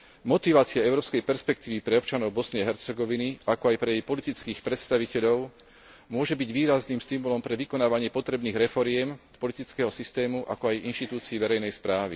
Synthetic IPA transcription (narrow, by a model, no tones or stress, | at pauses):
mɔt̪iʋaːt͡siaɛʊɾɔːpskɛjpɛɾspɛk̚t̪iːʋipɾɛɔp̚t͡ʃanɔʊbɔsnɪɛɦɛɾt͡sɛɡɔʋiniakɔajpɾɛjɛjpɔlit̪it͡skiːxpɾɛt̪st̪aʋicɛʎɔʊ | mʊɔʒɛbiɟʋiːɾazniːmst̪imulɔmpɾɛʋikɔnaːʋaɲɪɛpɔt̪ɾɛbniːɣɾɛfɔɾɪɛm̥ | pɔlit̪it͡skɛɦɔsist̪ɛːmuʔa̰kɔajinʃt̪it̪uːt͡siːʋɛɾɛjnɛjspɾaːʋḭ